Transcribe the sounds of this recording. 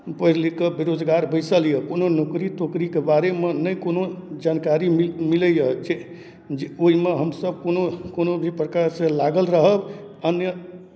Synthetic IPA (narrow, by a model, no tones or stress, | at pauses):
pəɦɾlikebiɾod͡ʒɡaɾbəɪsəljəkononokɾit̪okɾikebaɾemenəjkonod͡ʒankaɾimimiləjəd͡ʒe | d͡ʒeoɦimeɦəmsəb̚ʱkonokonobʱipɾəkaɾsẽlaɡəlɾəɦəb | ənjə